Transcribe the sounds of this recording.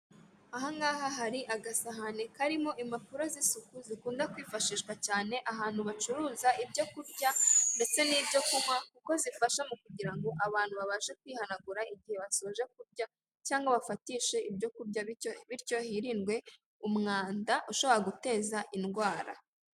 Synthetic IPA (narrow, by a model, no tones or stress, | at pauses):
aɦaŋɡaːɦaɦaɾiʔaɡasaɦanekaɾimo̞ʔimapuɾazisukuzikuːndakwiːfaʃiːʃkwacaːne̞ʔaɦaːn̥huβat͡ʃuɾuːzaibɟo̞kuɾɟande̞t͡se̞niːbɟo̞kumakuko̞zifaʃamukuɟiɾaŋɡo̞ʔaβaːn̥huβaβaːʃe̞k̚wiːhanaɡuɾaiɟihe̞βasoʒe̞kuɾɟa | caːŋɡaβafatiːʃe̞ibɟo̞kuɾɟaβiɾco̞hiɾinɡwe̞ | umŋaːndaʔuʃo̞βo̞ɾaɡute̞ːzaʔinɡwaːɾa̰